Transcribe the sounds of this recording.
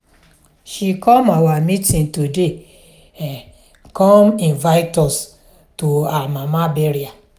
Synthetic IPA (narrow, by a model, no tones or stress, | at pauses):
ʃikɔ̃mawamitĩntude | kɔ̃mĩnvaɪtɔs | toamamabɛɾia